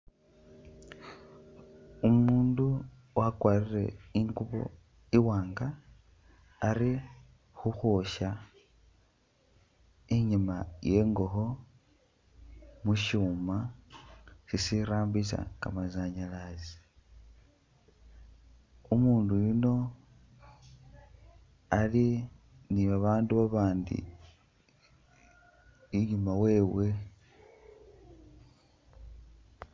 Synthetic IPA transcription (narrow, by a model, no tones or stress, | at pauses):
umuːndu | wakwaːrire̞̰iŋɡuβo̰ | iwaːŋɡa | ɾi | xuxoʃa | iɲimaje̞ŋɡo̞xo | muʃuːma | sisiɾaːmbisa̰ka̰mazaɲalazi | umuːndujuno̞ | ali | niβaβaːnduβaβaːndḭ | iɲumawe̞ːwe̞